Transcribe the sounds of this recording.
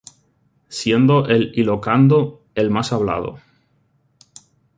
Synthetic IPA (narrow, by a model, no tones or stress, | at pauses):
sje̞nd̪o̞ʔelilokand̪o | e̞lmasaβla̰ð̞o̰